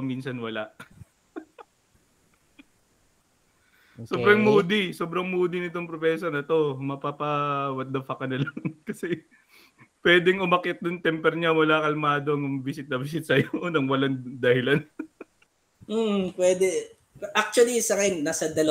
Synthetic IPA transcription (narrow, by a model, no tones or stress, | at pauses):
minsɐnwɐlaʔ | soːbɾɐŋmuːd̪iso̞ːbɾɐŋmuːd̪inɪt̪oŋpɾopɛːsɐnɐt̪o̞mɐpapɐwɐt̪̚d̪ɐpɐkɐnɐlɐŋŋkɐsɛ | pwɛːd̪ɛŋʊmɐkɛt̪̚d̪ʊnt̪ɛmpɛɾɲamʊlaːkɐlmaːd̪oɐŋʊmbɪsɪt̪̚nɐbɪs̬ɪt̪̚sɐjonɐŋwɐlaŋd̪ɐhɪlan | m̩pwɛːd̪ɛ | ʔak̚t͡ʃuɐlisɐŋɐmnasɐd̪ɐl